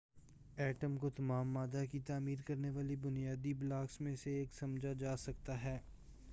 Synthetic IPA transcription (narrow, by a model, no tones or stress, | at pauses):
ɛːʈəmkot̪ɐmaːmːaːd̪akit̪aːmiːɾkɐɾneʋaːlibʊnijaːd̪iblaːksmẽseeːksɐmd͡ʒʱad͡ʒaːsɐk̚t̪aɦɛː